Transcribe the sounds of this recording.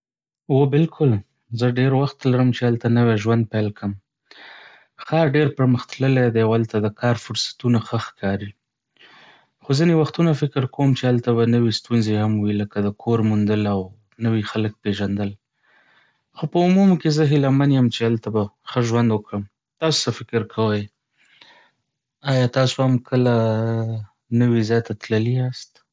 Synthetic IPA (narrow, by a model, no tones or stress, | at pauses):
wobɪlkʰʊl | zəɖeɾwaxt̪laɾəmt͡ʃealt̪anəwaʒwand̪̚palkʰəm | xɑɾɖeɾpəɾməxt̪ləled̪eawalt̪ad̪əkʰɑɾfʊɾsḁt̪unaxəxkʰɑɾi | xozinewaxt̪unafɪkɾkowmt͡ʃealt̪aβanəwest̪unzehamwiləkad̪əkʰoɾmund̪əlaw | nəwixalək̚peʒand̪əl | xopəumumkezəɦɪlamanjəmt͡ʃealt̪abaxəʒwand̪wəkɽəm | t̪ɑso̥safɪkɾkʰawəj | ɑjɑt̪ɑsohamkʰəla | nəwizjɑjt̪at̪ləliast̪